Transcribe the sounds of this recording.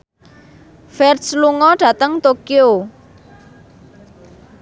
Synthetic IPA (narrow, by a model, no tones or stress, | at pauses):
fɛrsluŋɔɖ̥a̤t̪əŋt̪okio